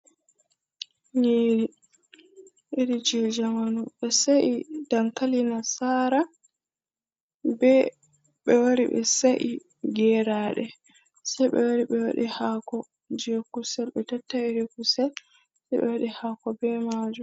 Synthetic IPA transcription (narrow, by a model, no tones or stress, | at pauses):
ɲiːɾi | iɾid͡ʒɛd͡ʒamanuɓɛsaʔidaŋkalinasaːɾa | bɛ | ɓɛwaɾḭɓɛ̰saʔi | ɡɛɾaːɗɛ | sajɓɛ̰waɾiɓɛwa̰ɗihaːkɔ | d͡ʒɛkusɛlɓɛtatːaiɾikusɛl | sajbɛ̰waɗihaːkɔbɛmaːd͡ʒu